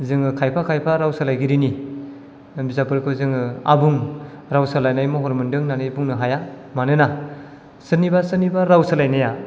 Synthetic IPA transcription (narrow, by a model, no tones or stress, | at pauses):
zɯŋɯkʰajpʰakʰajpʰaɾawsalajɡiɾini | bizapɯɾkʰɯzɯŋɯa̰buŋ | ɾawsalajnajmɔɦɔɾmɯndɯŋnanɯjbuŋnɯɦaja | manɯna | sɯnibasɯnibaɾawsalajnaja